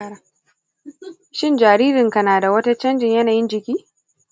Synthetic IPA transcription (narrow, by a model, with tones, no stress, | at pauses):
a˨ | ʃɪ˦˨nd͡ʒaː˨ɾiː˦ɾɪ˨ŋka˨naː˨da˨wɐ˦ta˦t͡ʃɐ˦nd͡ʒɪ˨ɲjɐ˦naː˨jɪ˦nd͡ʒɪ˨kʲiː˦